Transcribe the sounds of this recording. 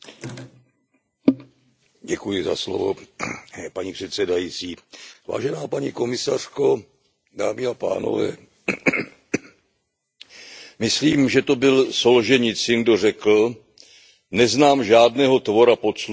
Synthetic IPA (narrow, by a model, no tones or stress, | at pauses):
ɟɛkujɪza̰slo̰vo̰ | paɲipr̥ɛt̪sɛdajiːt͡siːva̰ːʒɛnaːpaɲḭko̞mɪsar̥ko̞ | daːmɪapa̰ːno̰vɛ̰ː | mɪsliːmʒɛt̪o̞bɪlsolʒɛɲɪt͡sɪndo̞r̝ɛkl̩ | nɛznaːmʒaːdnɛːɦo̞t̪vo̞ɾapo̞t̪s